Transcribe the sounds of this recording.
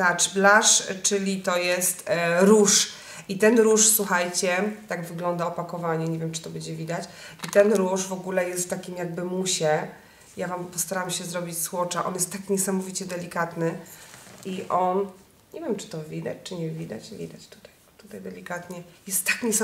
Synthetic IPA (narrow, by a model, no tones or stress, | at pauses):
t̪at͡ʂblaʂt͡ʂɘlʲit̪ɔjɛst̪ɾuʂ | it̪ɛnɾuʂswuxajt͡ɕɛt̪aɡvɘɡlɔnd̪aɔpakɔvaɲɛɲɛvʲjɛmt͡ʂɨ̥t̪ɔbɛd͡ʑɛvʲid̪at͡ɕit̪ɛnɾuʂvɔɡulɛjɛst̪ːakʲimjaɡ̚bɘmuɕɛ | javampɔst̪aɾamɕɛzɾɔbʲit͡ɕswɔt͡ʂaʔɔ̰njɛst̪ːakɲɛsamɔvʲit͡ɕɛd̪ɛlʲikat̪nɘ | iʔɔn | ɲɛvʲjɛmt͡ʂɘ̥t̪ɔvʲid̪a̰t͡ɕt͡ʂɘɲɛvʲid̪at͡ɕvʲḭd̪at͡ɕt̪u̥t̪aj | t̪ut̪ajd̪ɛlʲikat̪ɲɛjɛst̪ːḁkɲɛs